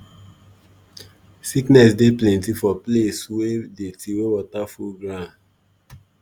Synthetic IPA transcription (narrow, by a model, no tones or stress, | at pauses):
siknɛsdeplɛ̃ntifɔpleswedetʰiwewɔtafulɡɹãn